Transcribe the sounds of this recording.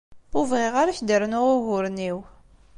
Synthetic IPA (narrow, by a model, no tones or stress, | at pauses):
ʊvʁeʁaɾaçd̪əɾnʊʁʊʝʊɾniw